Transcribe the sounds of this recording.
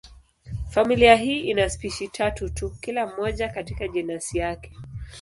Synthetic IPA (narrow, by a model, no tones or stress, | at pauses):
familiaɦiːʔinaspiʃitʰatutukilam̩ːɔʄakatikaʄɛnasijakɛ̥